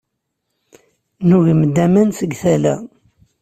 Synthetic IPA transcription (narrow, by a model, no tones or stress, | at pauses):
nuʝimd̪æmænsəɡθælæ̰